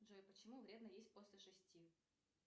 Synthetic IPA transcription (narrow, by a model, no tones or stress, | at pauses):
ʐojpət͡ɕɪmuvɾʲe̞d̪nəjesʲt̚ʲpo̞sʲlʲɪʂɨsʲtʲi